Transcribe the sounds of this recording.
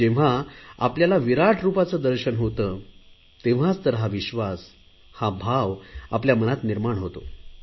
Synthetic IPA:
d͡ʑeʋ̤aa̰pljalaʋiɾaʈʰɾupat͡səd̪əɾɕənɦot̪ə | t̪ẽʋ̤at͡st̪əɾɦaʋiɕʋas | habʱaʋapljamənat̪niɾmaɳɦot̪o̰

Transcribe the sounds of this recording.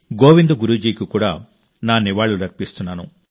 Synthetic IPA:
ɡoːʋind̪uɡuɾuːd͡ʒiːkikuːɽaː | naːniʋaːɭːuɾɐkpist̪unːaːnṵ

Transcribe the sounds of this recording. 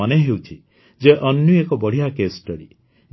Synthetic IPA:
aneɦewt͡ʃʰi | d͡ʒeʔɔnjuekɔbɔɽ̤ijakesʈɔɾḭ

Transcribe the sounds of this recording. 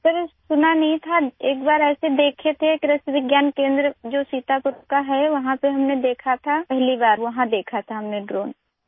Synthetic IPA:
pəɾsʊnanɐɦĩt̪ʰaeːkbaːɾɛːsed̪eːkʰet̪ʰekɾɐsʋɪɡjaːnkẽːnd̪ɾəd͡ʒoːsiːt̪apʊɾukaɦɛʋɐɦãpeɦɐmned̪eːkʰat̪ʰapɛɦlibaːɾʋɐɦãd̪eːkʰat̪ʰaɦɐmneɖɾoːn

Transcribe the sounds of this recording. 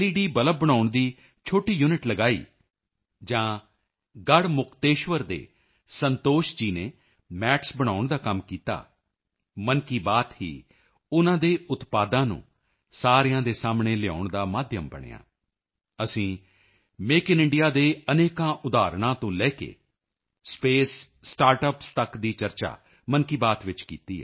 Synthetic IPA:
tiːɖiːbələb̚bəɽaːʊɳd̪iː | t͡ʃʰoːʈiːjuːnɪʈləɡaːḭː | d͡ʒãː | ɡəɽmʊkʰt̪eːʃʋəɾd̪ḛː | sənt̪oːʃd͡ʒiːneː | mɛːʈʰsbəɽ̃aːʊɳd̪aːkəmkiːt̪a̰ː | mənkiːbaːt̪ɦḭː | ʊnãːd̪eːʊt̪paːd̪ãːnṵ̃ː | saːɾɪjãːd̪eːsaːmɳeːlɪja̰ːʊɳd̪aːmaːd̪ʱjəmbəɽ̃ḛːã̰ː | əsĩː | meːkɪnɪ̃ɳɖɪjaːd̪eːəneːkãːʔʊd̪aːɾɳ̃ãːt̪õːlɛːkḛː | speːsːʈaːɾʈəpst̪əkd̪iːt͡ʃəɾt͡ʃa̰ː | mənkiːbaːt̪ʋɪt͡ʃkḭːt̪iːɦɛː

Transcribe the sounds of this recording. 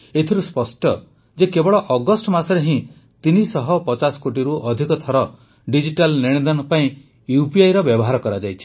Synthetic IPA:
et̪ʰiɾuspɔsʈɔ | d͡ʒekebɔɭɔʔɔɡɔsʈɔmasɔɾeɦĩ | t̪inisɔɦɔpɔt͡ʃasɔ̥koʈiɾuʔɔd̪ʱikɔt̪ʰɔɾɔ | ɖid͡ʒiʈalniɽ̃ẽd̪ɔnɔpaĩ | jupiajɾɔbjɔbɔɦaɾɔkɔɾad͡ʒajt͡ʃʰi̥

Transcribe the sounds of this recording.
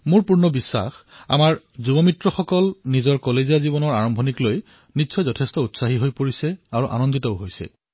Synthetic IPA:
mʊɹpuɹnɔbisːa̰xa̰maɹ | zubɔmitɹɔxɔkɔlnizɔɹkɔleziazibɔnɔɹaɹɔmbʱɔnikloj | nitsʰɔjzɔtʰestɔutsaɦiɦojpoɹisɛaɹuʔa̰nɔnditɔʊɦojsɛ̰

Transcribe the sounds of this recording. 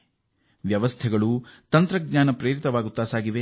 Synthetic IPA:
ʋjɐʋɐst̪ʰɛɡɐɭut̪ɐnt̪ɾɐɡɲaːnɐpɾeːɾit̪ɐʋaːɡut̪ːaːsaːɡiʋe

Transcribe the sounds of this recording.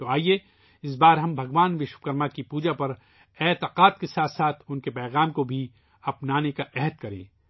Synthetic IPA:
t̪oaːie | ɪs̬baːɾɦɐmbʱɐɡʋaːnʋɪʃʋəkɐɾmakipuːd͡ʒapɐɾ | ɛːt̪ɪqaːt̪̚kesaːt̪ʰsaːt̪ʰʊnkepɛːɣaːmkobʱi | ɐpnaːnekaʔɛɦəd̪̚kɐɾḛ̃ː

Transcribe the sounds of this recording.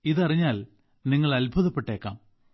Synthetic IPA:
iðɐriɲːaːl | niŋːɐɭɐlbʱuðɐpːe̞ʈːe̞ːkːa̰ːm

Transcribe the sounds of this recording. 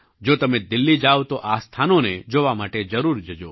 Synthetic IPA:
d͡ʒot̪əmed̪ɪlːid͡ʒaot̪oʔast̪ʰanoned͡ʒoʋamaʈed͡ʒəɾuɾd͡ʒəd͡ʒo

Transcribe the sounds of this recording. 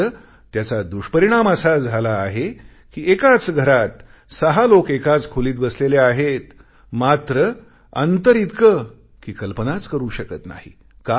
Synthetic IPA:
ə | t̪jat͡sad̪uɕpəɾiɽ̃aməsad͡zʱalaːɦe | kiːekat͡sɡʱəɾat̪ | səɦalokekat͡skʰuliːt̪̚bəsleljaaɦet̪ | mat̪ɾə | ə̰nt̪əɾit̪kə | kiːkəlpənat͡skəɾuːɕəkət̪na̰ɦḭ | ka

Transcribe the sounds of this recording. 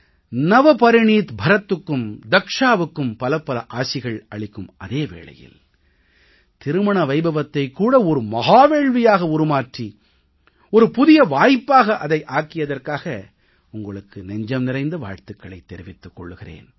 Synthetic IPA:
nɐʋɐpɐɾɪɳiːt̪bʱɐɾɐt̪ːɯkːɯmd̪ɐkʂaːʋɯkːɯmpɐlɐpːɐlɐʔaːsɪɣɐɭɐɭɪkːɯmʔɐðeːʋḛːɭɐ̰jɪ̰l | t̪ɪɾɯmɐɳɐʋɐɪbɐʋɐt̪ːɐɪkːuːɽɐɔɾɯmɐɣaːʋeːɭʋɪjaːɣɐʊɾɯmaːʈri | ɔɾɯpʊðɪjɐʋaːjpːaːɣɐʔɐðɐɪʔaːkɪjɐðɐrkaːɣɐ | ʊŋɡɐɭɯkːɯnɛɲd͡ʒɐmnɪɾɐɪnd̪ɐʋa̰ːɻt̪ɯkːɐɭɐɪt̪ːɛɾɪʋɪt̪ːɯkːɔɭːɯɣɪrḛːn

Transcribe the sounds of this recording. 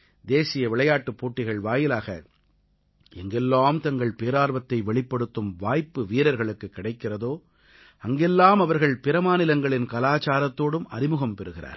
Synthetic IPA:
d̪eːsɪjɐʋɪɭɐjaːʈːɯpːoːʈːɪɣɐɭʋaːjɪlaːɣɐ̰ | ɛŋɡɛlːaːmt̪ɐŋɡɐɭpeːɾaːɾʋɐt̪ːɐɪʋɛɭɪpːɐɽɯt̪ːɯmʋaːjpːɯʋiːɾɐɾɣɐɭɯkːɯkːɪɽɐɪkːɪrɐðoː | ɐŋɡɛlːaːmɐʋɐɾɣɐɭpɪɾɐmaːnɪlɐŋɡɐɭɪnkɐlaːt͡ʃaːɾɐt̪ːoːɽɯmɐɾɪmɯɣɐmpɛɾɯɣɪra̰ːɾ

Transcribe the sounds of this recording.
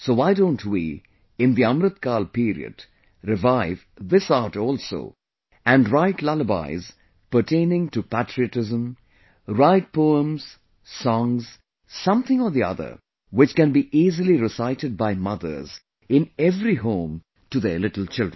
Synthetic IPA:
sowaɪdõʊ̃ntʰwḭ | ɪ̃nd̪iʌ̃mɾɨt̪̚kaːlpiɾḭɨ̰d | ɾɪvaɪv | ðɪsaʈɔːlˠso̰ʊ | æ̃nɾaɪʈlaləba̰ɪz̥ | pə˞ʈʰẽɪ̃nɪ̃ŋtupætʰɹiɨʈɪzə̃m | ɾaɪt̚pʰoːə̃mz̥ | sɔ̃ŋz̥ | sʌ̃mθɪ̃ŋəðiʌ̰ðə̰˞ | wɪt͡ʃkæ̃nbiʔiːzəliɾɪsaɪtɨd̚baɪmʌðə̰˞z | ɪ̃nɛvɾiɦõːm | tuðə˞lɪɾl̩ˠt͡ʃɪlˠdɹ̃n

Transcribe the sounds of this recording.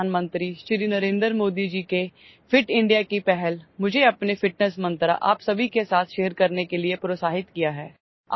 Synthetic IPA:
aːnmə̃nt̪ɾiʃɾinɐɾẽːnd̪ɾmoːd̪id͡ʒiːke | fɪʈɪ̃ɳɖijakipɛɦɛlmʊd͡ʒʱeɐpnefɪʈnəsmɐ̃nt̪ɾa̰ʔa̰ːpsɐbʱikesaːt̪ʰʃeːəɾkɐɾnekeliepɾoːsaːɦɪt̪kijaɦɛː | a̰

